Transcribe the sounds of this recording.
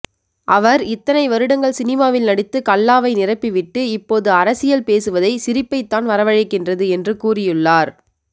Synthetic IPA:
ʔɐʋɐɾɪt̪ːɐnɐɪʋɐɾɯɽɐŋɡɐɭsɪnɪmaːʋɪlnɐɽɪt̪ːɯkɐlːaːʋɐɪnɪrɐpːɪʋɪʈːɯɪpːoːðɯɐɾɐsɪjɐlpeːsɯʋɐðɐɪsɪɾɪpːɐɪt̪ːaːnʋɐɾɐʋɐɻɪkːɪndrɐðɯɛndrɯkuːrɪjɯɭːaːɾ

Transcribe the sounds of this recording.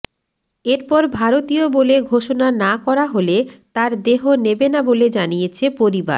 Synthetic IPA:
eɾpɔɾbʱaɾot̪ioboleɡʱoʃonanakɔɾaɦolet̪aɾd̪eɦonebenaboled͡ʑanijet͡ɕʰepoɾiba̰ɾ

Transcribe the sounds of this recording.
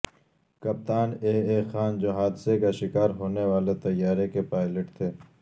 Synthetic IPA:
kɐp̚t̪aːneːeːxaːnd͡ʒoɦaːd̪sekaʃɪkaːɾɦoːnewaːlet̪ɐjaːɾekepaːɪləʈt̪ʰeː

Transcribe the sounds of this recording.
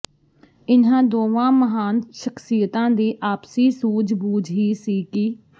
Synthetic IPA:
ɪnãːd̪oːʋãːməɦaːnʃəksiːət̪ãːd̪iːʔaːpsiːsuːd͡ʒbuːd͡ʒɦiːsiːkiː

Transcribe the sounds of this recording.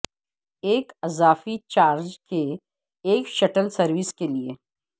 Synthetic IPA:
eːkɐzaːfit͡ʃaːɾd͡ʒkeː | kʃɐʈəlsɐɾʋɪskelieː

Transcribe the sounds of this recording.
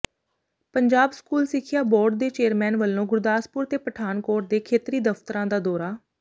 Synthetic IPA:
pəɲd͡ʒaːbskuːlsɪkʰːɪjaːbɔːɖ̚d̪eːt͡ʃeːɾmɛːnʋəlːõːɡʊɾd̪aːspʊɾt̪eːpəʈʰaːnkoːʈd̪eːkʰeːt̪ɾiːd̪əft̪ɾãːd̪aːd̪ɔːɾaː

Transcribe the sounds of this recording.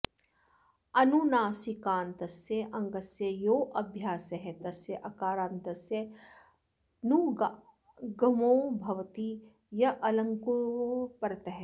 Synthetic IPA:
ɐnunaːsikaːnt̪ɐsjeʔɐ̃ŋɡɐsjɐjoːʔɐbʱjaːsɐɦet̪ɐsjɐʔɐkaːɾaːnt̪ɐsje | nu | ɡɐmoːbʱɐʋt̪i | jɐʔɐlɐ̃ŋkupɐɾt̪ɐɦe

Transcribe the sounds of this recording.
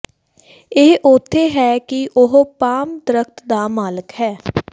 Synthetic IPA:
ɪːʊt̪ʰːeːɦɛːkɪʔʊɦpaːmd̪əɾəkt̪d̪aːmaːləkhɛː

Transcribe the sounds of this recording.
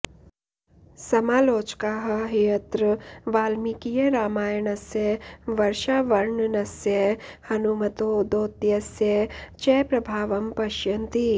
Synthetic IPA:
sɐmaːloːt͡ʃkaːɦɐɦijɐt̪ɾʋaːlmikijeɾaːmaːjɐɳɐsjɐʋɐɾʃaːʋɐɾɳɐnɐsjɐhɐnumɐt̪oːd̪oːt̪jɐsjɐt͡ʃɛːpɾɐbʱaːʋɐmpɐʃjɐnt̪i

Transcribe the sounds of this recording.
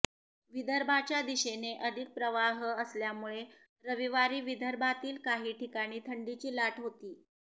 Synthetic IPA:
ʋid̪ʱəɾbʱat͡ɕjad̪iɕeneʔəd̪ʱik̪̚pɾəʋaɦəəsljamuɭe | ɾəʋiʋaɾiːʋid̪ʱəɾbʱat̪iːlkaɦiːʈʰikaɽ̃iːt̪ʰəɳɖit͡ɕiːlaʈʰɦot̪iː

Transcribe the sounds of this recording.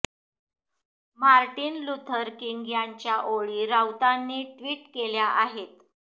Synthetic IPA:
maɾʈiːnlut̪ʰəɾkiŋɡjaɲt͡ɕjaʔoɭiːɾawt̪anːiːʈʋiːʈkeljaʔaɦet̪

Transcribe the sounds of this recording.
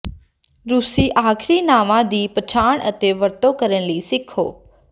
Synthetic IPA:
ɾʊsiːʔaːkʰɾiːnãːʋãːd̪iːpət͡ʃʰaːɳ̃ət̪eʋəɾt̪oːkəɾənliːsɪkʰo̰ː

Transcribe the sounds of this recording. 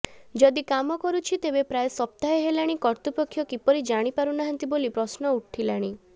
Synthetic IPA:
d͡ʒɔd̪ikamɔkɔɾut͡ʃʰit̪ebepɾajesɔp̚t̪aeɦelaɽ̃ikɔɾt̪upɔkʰːjɔkipɔɾid͡ʒaɽ̃ipaɾunaɦant̪ibolipɾɔsnɔuʈʰilaɽ̃i

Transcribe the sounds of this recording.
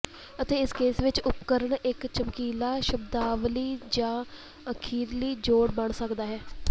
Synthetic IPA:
ət̪eːɪskeːsʋɪt͡ʃʊpkəɾəɳɪkt͡ʃəmkiːlaːʃəbd̪aːʋliːd͡ʒãː | əkʰiːɾliːd͡ʒoːɽbəɳsəkd̪aːɦɛː

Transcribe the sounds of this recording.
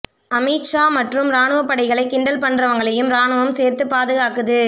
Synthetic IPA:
ɐmiːʈt͡ʃaːmɐʈrɯmɾaːnɯʋɐpːɐɽɐɪɣɐɭɐɪkːɪɳɖɐlpɐɳdrɐʋɐŋɡɐɭɐjɯmɾaːnɯʋɐmseːɾt̪ɯpːaːðɯɣaːkɯðɯ

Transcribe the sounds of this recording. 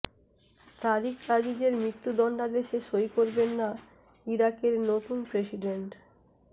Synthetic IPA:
t̪alikɾad͡ʑid͡ʑeɾmɾit̪ːud̪ɔɳɖad̪eʃeʃojkoɾbenːa | iɾakeɾnot̪unpɾesiɖeɳʈ

